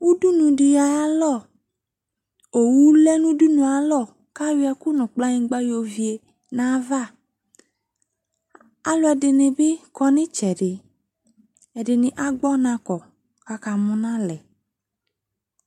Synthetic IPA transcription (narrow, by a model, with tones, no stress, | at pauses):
wu˦du˦nũ˨ɖɪ˨ja˨ja˦lɔ˦˨ | o˨wu˦lɛ˦nũ˦du˦nũ˨a˨lɔ˦˨ | ka˦wi˦ɛ˨ku˦nũ˨k͡pla˦ɲĩ˦ɡ͡ba˦jo˨vi˨˦e˨ | nã˨˦va˦˨ | a˨lɔ˦ɛ˨dɪ˨nɪ̃˨be˦kɔ˦nɪ̃˦t͡ʃɛ˨ɖɪ˨ | ɛ˨dɪ˨nɪ̃˨ʔa˨ɡ͡bɔ˦nã˦kɔ˨ | ka˨ka˨mũ˦nã˦lɛ˨